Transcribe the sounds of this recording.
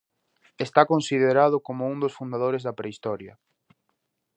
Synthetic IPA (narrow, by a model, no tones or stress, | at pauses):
est̪akonsiðeɾaðʊkomʊuŋd̪osfund̪aðoɾezðɐpɾeist̪ɔɾjɐ